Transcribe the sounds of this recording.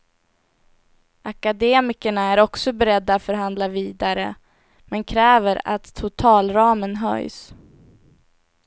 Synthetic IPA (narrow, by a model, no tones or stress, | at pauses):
ʔakad̪eːmɪkəɳaæɾɔksɔbɛɾɛd̪ːat̪fœɾɦand̪laviːd̪aɾə | mɛnkʰɾɛːvəɾa̰t̪ʰːʊt̪ʰɑːlɾɑːmənɦœ̰js